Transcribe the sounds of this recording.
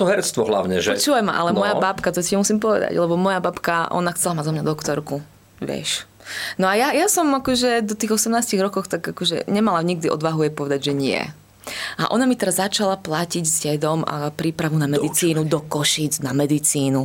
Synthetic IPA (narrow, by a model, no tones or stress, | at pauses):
t̪ɔɦɛɾɛt͡st̪ʋɔɦla̰ʊɲɛ̰ʒɛɔt͡ʃuːʋajma̰ʔa̰lɛmɔjabapkat̪ɔtiɛmusimpɔʋɛ̰d̪a̰ɟlɛbɔmɔjabapkaʔɔ̰naxt͡sɛlamazɔmɲad̪ɔkt̪ɔɾku | ʋɪɛ̰ʃ | nɔajajasɔmakɔʒɛd̪ɔt̪iːɣɔsɛmnaːsciɣɾɔkɔxt̪aɡakɔʒɛ̰ɲɛmalaɲiɡ̚d̪iʔɔ̰d̪ʋaɦujɛpɔʋɛd̪aɟʒɛɲɪɛ̰ | ʔa̰ʔɔnamit̪ɛɾazat͡ʃalaplaciɟzɟɛd̪ɔma̰pɾiːpɾaʋunamɛd̪it͡siːnud̪ɔkɔʃid͡znamɛd̪it͡siːnu